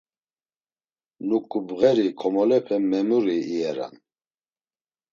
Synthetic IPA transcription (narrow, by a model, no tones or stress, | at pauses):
nukʼubɣɛɾikʰɔmɔlɛpʰɛmɛmuɾiːɛɾa̰n